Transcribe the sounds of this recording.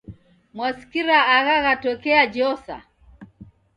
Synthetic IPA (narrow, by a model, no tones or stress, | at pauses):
mwasi̥kiɾaːɣaɣatɔkɛad͡ʒɔsa̰